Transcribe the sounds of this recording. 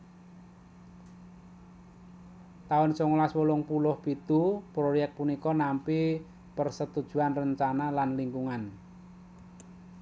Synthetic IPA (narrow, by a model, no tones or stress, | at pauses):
t̪aʊnsɔŋlaswolʊŋpulʊhpit̪upɾojɛk̚t̪̚punikɔnampi | pərsət̪ud̥ʒ̥ṳanrəɲt͡ʃanalanliŋkuŋan